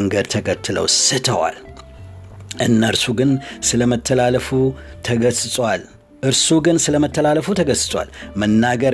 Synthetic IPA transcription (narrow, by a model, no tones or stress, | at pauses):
ŋɡəd̪̚t̪ʰəkʰət̪ʰːɨlə̰wsɨt̪ʰəwa̰l | ʔɨnːəɾsuɡɨnsɨləmət̪ʰːəlaləfu | t̪ʰəɡəssʼwal | ʔɨɾsuɡɨnsɨləmət̪ʰːəlaləfut̪ʰəɡəsɨsʼwa̰lmənːaɡəɾ